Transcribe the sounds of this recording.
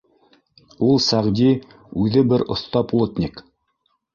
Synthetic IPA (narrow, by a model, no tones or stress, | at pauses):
ulˠsæʁd̪ʲi | ʉðɘbɘɾŏ̰θt̪ɑplˠot̪ʲnʲik